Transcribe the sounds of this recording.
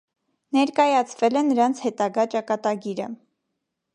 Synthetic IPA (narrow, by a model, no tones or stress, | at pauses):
nɛɾkɑjɑt͡sʰvɛlɛnəɾɑnt͡sʰhɛt̪ɑɡɑt͡ʃɑkɑt̪ɑɡiɾə̰